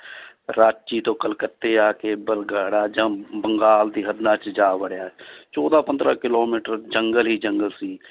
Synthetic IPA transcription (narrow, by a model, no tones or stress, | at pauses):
ɾaːt͡ʃit̪oːkəlkət̪ːeaːkebəlɡaːɽaːd͡ʒãːbə̃ŋɡaːld̪iːɦəd̪naːt͡ʃd͡ʒaːʋəɽjaːt͡ʃɔːd̪aːpə̃nd̪ɾaːkɪloːmiːʈəɾd͡ʒə̃ŋɡəlɦiːd͡ʒəŋɡəlsiː